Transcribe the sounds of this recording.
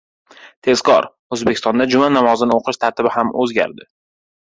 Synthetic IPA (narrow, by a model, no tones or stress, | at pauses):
t̪ʰe̞zkʰɒ̰ɾ | ɵzbekʲɪst̪ɒnd̪ad͡ʒʊmanamɒzɪnɪoqʰɨʃt̪ʰaɾt̪ʰɪbɪhamʔɵzɡʲa̰ɾd̪ɪ